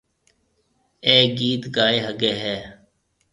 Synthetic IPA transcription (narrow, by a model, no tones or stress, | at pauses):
eːɡiːt̪ɡaːeːɦəɡeːɦɛː